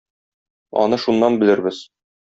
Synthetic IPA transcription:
ɒ̰nɤʃunːɑnbɘ̆lɘ̆ɾbɘz̥

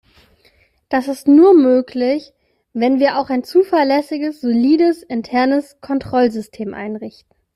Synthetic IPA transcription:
d̥asɪstnuːɐmøːkʰlɪç | vɛnviːɐʔaʊxaɪnt͡suːfɛɐlɛsɪɡəsz̥oliːdəsɪntʰɛɐnəskʰɔntʁ̥ɔlzʏstʰeːmʔa̰ɪnʁɪçtn̩

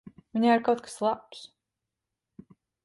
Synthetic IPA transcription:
viɲʲaaɾkawt̪̚kḁslˠaps

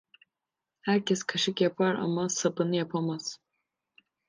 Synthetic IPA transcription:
hæɾcɛskʰaʃɯkjapʰaɾa̰masapɯnɯjapʰamaz̥

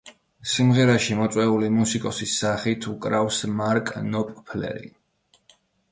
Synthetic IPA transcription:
simʁɛɾaʃimɔt̪sʼwɛulimusikʼɔsisːaχit̪ʰukʼɾafsmaɾkʼnɔpʼpʰlɛ̰ɾḭ

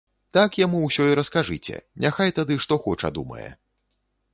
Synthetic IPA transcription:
t̪akjamuwsʲɔiɾɐskaʐɨt͡sʲɛ̰nʲaxajt̪ad̪ɨʂt̪ɔxɔt͡ʂɐ̰d̪umɐ̰jɛ̰

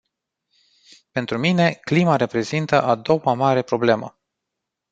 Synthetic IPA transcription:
pe̞nt̪ɾumine̞klimaɾe̞pɾe̞zint̪əʔad̪o̞wamaɾe̞pɾo̞ble̞mə̰

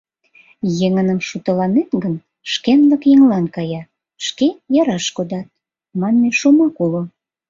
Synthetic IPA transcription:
jeŋənəmʃut̪əlɑnet̪ɡən | ʃkenləkjeŋlɑnkɑjɑ | ʃkejɑɾɑʃkod̪ɑt̪̚ | mɑnmeʃomɑkulo

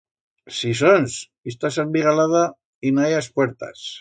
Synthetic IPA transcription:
sis̬ons | ist̪asambiɣalaða | inajaspweɾt̪a̰s

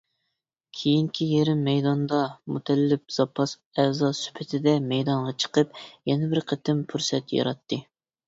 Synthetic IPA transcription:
kʲʰejiŋkʲʰijeɾɪmːɛjd̪ɑnd̪ɑmut̪ʰɛlːɪp̚z̥ɑpʰːɑs | ɛzɑsy̥pʰɪt̪ʰɪd̪ɛmɛjd̪ɑɴʁɑt͡ʃʰə̥qəp̚jɛnɪbɪɾqʰət̪ʰɪmpʰuɾsɛt̪jɑ̰ɾɑt̪ʰːɨ

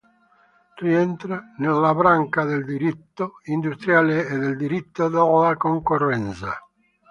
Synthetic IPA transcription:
riɛnt̪ɾanelːabɾaŋkaðeld̪iɾit̪ːoind̪ust̪ɾjaːleːd̪eld̪iɾit̪ːod̪olakoŋkorːɛnt̪sa

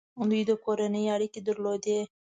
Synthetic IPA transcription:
d̪ujd̪əkoɾanəjaɽiked̪əɾlod̪e

